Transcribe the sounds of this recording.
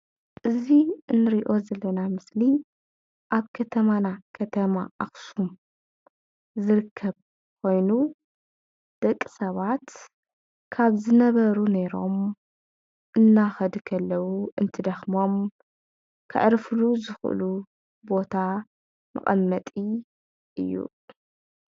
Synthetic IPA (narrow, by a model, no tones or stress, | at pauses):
ʔɨziɨnːɨɾiʔo̞zɐlːɐnamɨsli | ʔaβkʰɐt̪ʰɐmanakʰɐt̪ʰɐma̰ʔa̰xsum | zɨɾɨkʰːɐβ | kʰo̞jnu | d̪̥ɐkʼːɨsɐβat̪ | kʰaβzɨnɐβɐɾune̞ɾo̞̰m | ʔɨnːaxɐd̪kʰɐlːɐwuʔɨnt̪ʰɨd̪ɐxmo̞m | kʰɨ̰ʕɾfluzɨxʔɨ̰lu | bo̞t̪ʰa | mɐ̰χʼɐ̰mːɐt̪ʼi | ʔɨ̰jːṵ